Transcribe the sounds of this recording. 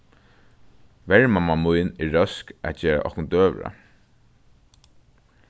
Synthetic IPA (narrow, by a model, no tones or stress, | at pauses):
ʋɛɹmamamujnɪːœskæ̰t͡ɕɛːɹa̰ʔɔ̰hkʊnt̪øːʋɹa̰